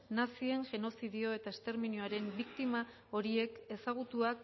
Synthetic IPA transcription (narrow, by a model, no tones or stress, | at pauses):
nasie̞ŋʝe̞no̞siðio̞e̞t̪ae̞st̪e̞ɾminjoaɾe̞mbikt̪ima | o̞ɾie̞ke̞saɣ̞ut̪uak